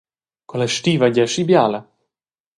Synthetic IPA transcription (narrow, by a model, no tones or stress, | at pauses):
kolaʃt̪iːvaɟaʃibjaːla